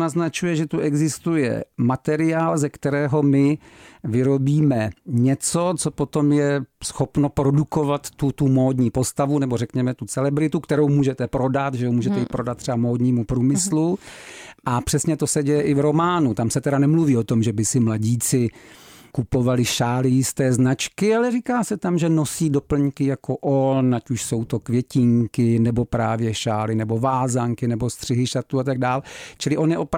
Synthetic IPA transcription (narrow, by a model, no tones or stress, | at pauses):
naznat͡ʃujɛʒɛt̪uʔɛɡzɪst̪ujɛ̰mat̪ɛɾɪaːlzɛkt̪ɛɾɛːɦo̞mɪvɪɾo̞biːmɛɲɛt͡so̞t͡so̞po̞t̪o̞mjɛsxo̞pno̞pɾo̞duko̞vat̪ːut̪umo̞ːdɲiːpo̞st̪avunɛbo̞rɛkɲɛmɛt̪ut͡sɛlɛbɾɪt̪ukt̪ɛɾowmuːʒɛt̪ɛpɾo̞dat̪ʒɛomuːʒɛt̪ɛipɾo̞dat̪̚ːrɛbamoːdɲiːmupɾuːmɪslu | ʔapr̥ɛsɲɛt̪o̞sɛɟɛjɛʔɪvɾo̞maːnut̪amsɛt̪ɛɾanɛmluviːo̞t̪o̞mʒɛbɪsɪmlaɟiːt͡sɪkupo̞valɪʃaːlɪjɪst̪ɛːznat͡ʃkɪalɛriːkaːsɛt̪amʒɛno̞siːdo̞pl̩ɲkɪjako̞ʔonacuʃso̞wt̪o̞kvjɛcɪŋkɪnɛbo̞pɾaːvjɛʃaːlɪnɛbo̞vaːzaŋkɪnɛbo̞st̪r̥ɪɦɪʃat̪uat̪aɡ̚daːlt͡ʃɪlɪʔo̞njɛʔop